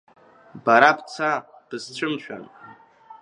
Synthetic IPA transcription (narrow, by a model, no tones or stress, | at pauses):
baɾapt͡sʰa | b̥ɨzt͡ʃʷʰɨmt͡ʃʷʰᶣa̰n